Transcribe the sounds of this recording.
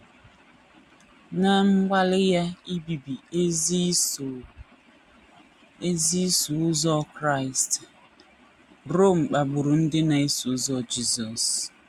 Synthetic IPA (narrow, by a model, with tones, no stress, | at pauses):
na˨ŋ͡m̩˦ɡ͡ba˦lɪ˦ja˦i˦bi˨bi˨˦˨ | e˦zi˦su˨ʊ˦zɔ˦kɾa˦ɪ˨st | ɾo˦˨m̩˨k͡pa˨ɡ͡bʊ˨ɾu˨n̩˦dɪ˦na˨i˦sʊ˦zɔ˦˨d͡ʒi˦zɔ˨s